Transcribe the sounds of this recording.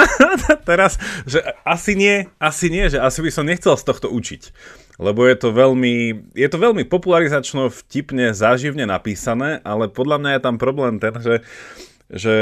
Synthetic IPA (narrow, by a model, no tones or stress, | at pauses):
aat̪ɛɾasʒɛasiɲɪɛasiɲɪɛʒɛasibisɔmɲɛxt͡sɛlst̪ɔxt̪ɔut͡ʃic | lɛbɔjɛt̪ɔʋɛʎmijɛt̪ɔʋɛʎmipɔpulaɾizat͡ʃnɔfcipɲɛzaːʒiʊɲɛnapiːsanɛːʔalɛpɔd̪ʎamɲajɛt̪ampɾɔblɛːmt̪ɛnʒɛ | ʒɛ